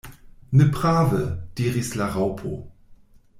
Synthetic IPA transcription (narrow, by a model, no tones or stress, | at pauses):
nəpʁ̥aːvəd̥iːʁislaʁawpʰo̰